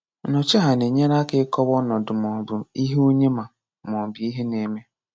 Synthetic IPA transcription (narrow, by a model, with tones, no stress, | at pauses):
nɔ˨t͡ʃe˦ɦa˨ne˨ɲe˦ɾa˦kɪ˦kɔ˦βɔ˦nɔ˨dʊ˨m˨ɔ˨bʊ˨i˦ɦe˦o˦ɲe˦ma˨ | m˨ɔ˨bi˨˦i˦ɦe˦ne˨me˦